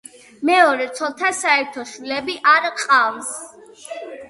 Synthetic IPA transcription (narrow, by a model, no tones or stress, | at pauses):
mɛɔɾɛt̪sʰɔlˠt̪ʰasaɛɾt̪ʰɔʃwilɛbiʔaɾqʼals